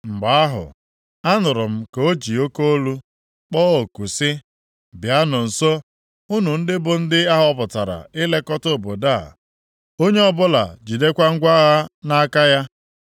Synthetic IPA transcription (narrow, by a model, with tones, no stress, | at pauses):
ŋ͡m̩˨ɡ͡ba˨˦a˦ɦʊ̰˨ | a˦nʊ˨ɾʊ˨m̩˨ko˦d͡ʒi˨o˦ko˦o˦lu˦ | k͡pɔː˦o˨ku˨sɪ˦ | bja˦nʊ˨n̩˨so˦ | ʊ˦nu˨n̩˦dɪ˦bʊ˨n̩˦dɪ˦a˦ɦɔ˦pʊ˨ta˨ɾa̰˨ɪ˦le˦kɔ˦to˦˨bo˨da˦˨ | o˦ɲe˦ɔ˦bʊ˦la̰˨d͡ʒi˨de˦kʷa˦ŋ̩˦ɡʷa˦ɣa˦na˦ka˦ja˦